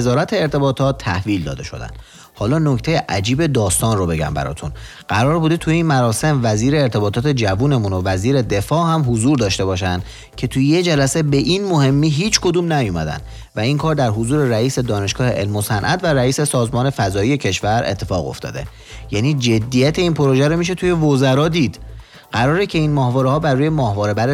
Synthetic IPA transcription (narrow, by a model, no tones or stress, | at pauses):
zɒːɾæt̪ʰeːɾt̪ʰe̞bɒːt̪ʰɒːt̪ʰːæhviːld̪ɒ̰ːd̪e̞ʃo̞̰d̪æ̰nd̪̥ | hɒːlɒːno̞ct̪ʰejeʔæd͡ʒiːbe̞d̪ɒːst̪ɒːnrobe̞ɟæ̰mbæ̰ɾɒ̰ːt̪ʰun | ɢ̥æɾɒːɾbuːd̪et̪ʰujeiːnmæɾɒːse̞mvæziːɾeːɾt̪ʰe̞bɒːt̪ʰɒːt̪ʰe̞d͡ʒævuːne̞munovæziːɾe̞d̪e̞fɒːhæmɦozuːɾd̪ɒːʃt̪e̞βɒːʃ̬ænd̪̥ | cʰe̞t̪ʰujjed͡ʒælæse̞be̞ʔinmoɦe̞mːiːɦiːt͡ʃʰkʰo̞d̪uːmnæjomæd̪æ̰nd̪ | væinkʰɒːɾd̪æɾɦozuːɾe̞ɾæiːse̞d̪ɒːne̞ʃɡ̥ɒːhe̞̰ʔḛlmosænʔæ̰d̪væɾæiːse̞sɒːzmɒːne̞fæzɒːije̞cʰe̞ʃvæɾe̞̰t̪ʰːe̞fɒ̰ːɣo̞̰ft̪ɒ̰ːd̪e̞̰ | jæniːd͡ʒe̞d̪ːijæt̪ʰe̞iːnpʰo̞ɾo̞ʒeɾomiʃ̬e̞t̪ʰuje̞vozæɾɒːd̪iːd̪̥ | ɢæɾɒːɾecʰe̞iːnmɒːhvɒːɾehɒːbæɾuːje̞mɒːhvɒːɾe̞bæɾe